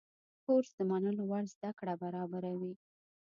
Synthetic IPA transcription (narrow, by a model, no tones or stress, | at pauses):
koɾsd̪əmanəlowaɽzd̪akɽabaɾɑbaɾawi